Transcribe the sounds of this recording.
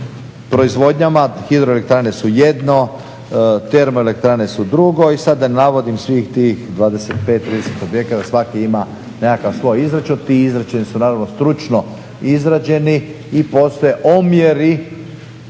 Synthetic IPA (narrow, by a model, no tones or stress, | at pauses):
pɾo̞izʋo̞d̪ɲamaxid̪ɾoelek̚t̪ɾane̞suje̞d̪no̞ | t̪e̞ɾmoelek̚t̪ɾane̞sud̪ɾuɡo̞isad̪ːanaʋo̞d̪imsʋixt̪ixd̪ʋaːd̪eset̪̚pet̪ːɾid̪ese̥t̪objekat̪asʋakiima | nekakaʋsʋo̞jizɾat͡ʃunt̪iizɾat͡ɕenisunaːɾaʋno̞st̪ɾut͡ʃno | izɾad͡ʑe̞niː | po̞st̪oje̞ʔomje̞ɾi